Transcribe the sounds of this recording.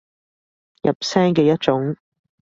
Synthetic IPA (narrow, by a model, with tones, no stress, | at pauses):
jɐ̰˨p̚sɛː˥ŋkɛː˧jɐ˥t̚t͡ʃʊ˨˥ŋ